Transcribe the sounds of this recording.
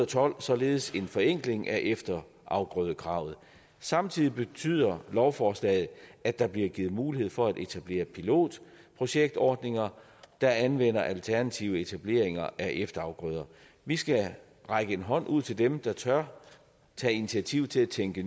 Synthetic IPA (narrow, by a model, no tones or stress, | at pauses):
t͡sʰɒ̽l̰sɒ̽le̝ːð̞̩ˠəse̝nfɒ̽eŋ̰ɡ̥le̝ŋʔæʔefd̥ɐ | ʔɑ̈ʊɡ̥ʁœːð̞ˠəkʰʁɑ̈ʊ̰ð̩ˠ | sɑ̈mt͡sʰið̰ˠib̥e̝t͡sʰy̰ð̞̰ˠɐlɒʊfɒːslɛ̰ːð̩ˠʔædd̥ɑ̈b̥liɐɡ̥iːð̩ˠmuːlihe̝ð̰ˠfɒ̽æde̝t͡sʰæb̥le̝̰ːɐpʰilo̝̰ːd̥ | pʰʁo̝ɕeɡ̥̚d̥ɒːd̥ne̝ŋɐ | d̥ɑ̈ænʋen̰ɐʔælt͡sʰæɐnæt͡sʰiʊəe̝t͡sʰæb̥le̝̰ɐ̰eŋɐʔæʔefd̥ɐɑ̈ʊɡ̥ʁœð̞ˠɐ | ʋisɡ̥æ | ʁɑ̈ɪɡ̥əe̝nɦɒ̽n̰ʔuð̞̰ˠt͡sʰe̝ld̥emd̥ɑ̈t͡sʰɶɐ | t͡sʰɛ̰init͡sʰiæt͡sʰiʊ̰t͡sʰe̝læt͡sʰeŋɡ̥ə